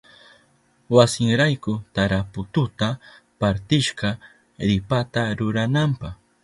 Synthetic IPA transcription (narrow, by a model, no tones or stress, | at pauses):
wasɪŋɾajkʊt̪aɾapʊt̪ʊt̪a | paɾt̪ɪʃɢɑ | ɾɪpat̪aɾʊɾanampɑχ